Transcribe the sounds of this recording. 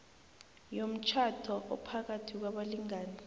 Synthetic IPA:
jom̩t͡ʃʰatʰɔʔɔ̰pʰak̬atʰik̬waɓaliŋaːnɛ

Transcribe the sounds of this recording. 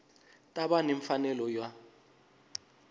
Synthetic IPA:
tʼaɓaneɱfanɛlɔjwa

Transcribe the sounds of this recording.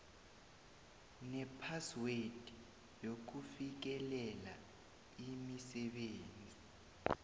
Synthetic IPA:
nɛpʰaswed̥ʱi | jok̬ufik̬ɛlɛla | imisɛɓeːnt͡sʼi

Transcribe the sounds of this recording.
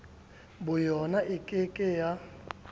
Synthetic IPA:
bʊjɔnaʔɪkʼɪkʼɪja

